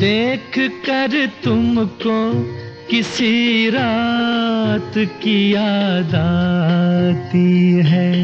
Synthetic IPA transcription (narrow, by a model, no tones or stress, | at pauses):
d̪eːkʰkɐɾt̪ʊmko | kɪsiɾaː | t̪kijad̪aː | t̪iɦɛː